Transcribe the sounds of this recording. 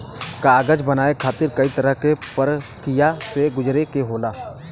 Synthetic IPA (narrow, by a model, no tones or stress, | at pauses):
kaːɡəd͡ʒbənaːekʰaːt̪ɪɾkɐit̪ɐɾəɦkepəɾkɪjaseɡʊd͡ʒɾekeɦoːlaː